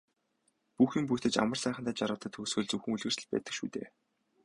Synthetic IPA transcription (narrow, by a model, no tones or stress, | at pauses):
puxiːmp̬ut̪ɘ̆t͡ɕa̰mə̆rsæːχə̆nt̪æːt͡ɕaɾʁə̆t̪ə̆t̪ʰːɵːsɡɵ̆ɮt͡suxɘ̆ŋuɮɣɘ̆rsɘ̆ɮpæ̰ːt̪ə̆kʃṵːt̪ḛː